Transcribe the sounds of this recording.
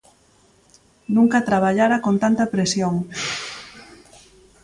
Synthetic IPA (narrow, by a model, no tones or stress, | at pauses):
nũŋkɐt̪ɾaβ̞aʎaɾakont̪ant̪ɐpɾesjoŋ